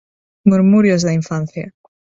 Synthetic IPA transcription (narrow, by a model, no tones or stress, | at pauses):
muɾmuɾjozðaiɱfan̟θja